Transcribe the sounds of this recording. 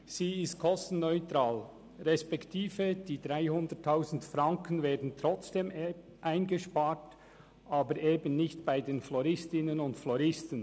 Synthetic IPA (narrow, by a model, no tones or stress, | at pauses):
z̥iːɪst̚kʰɔstn̩nɔʏtɾaːl | ʁɛspɛktʰiːfəd̥iːd̥ʁaɪhʊndətʰːaʊzn̩tfɾaŋkʰənveːɐdn̩t̪ɾɔt͡sd̥eːm | ʔaɪnɡəʃpaːɹt | ʔaːbəɾʔeːbənnɪçtb̥aɪdeːnflɔɾɪstɪnənʊntflɔɾɪstən